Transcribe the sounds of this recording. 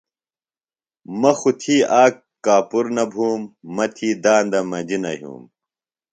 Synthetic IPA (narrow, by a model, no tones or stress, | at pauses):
mɐxut̪ʰiːaːk | kaːpuɾnɐbʱuːmːɐt̪ʰiːd̪aːnd̪ɐmɐd͡ʑinɐɦjṵːm